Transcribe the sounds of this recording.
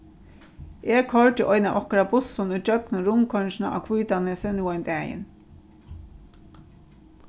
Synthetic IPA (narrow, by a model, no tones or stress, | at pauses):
eːkʰɔɹʈ̪ɪʔɔjnaʔɔhkaɾabʊsʊnujt͡ʃœknʊɾʊmkʰɔnʃɪna̰ʔa̰kʰvujt̪aneːsɛnuːajnd̪ɛːjɪ̰n